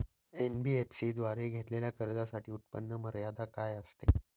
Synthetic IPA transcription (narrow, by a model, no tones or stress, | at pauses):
enbiːepsiːd̪ʋaɾeɡʱet̪leljakəɾd͡zasaʈʰiːut̪̚pə̰nːəməɾjad̪akajəst̪e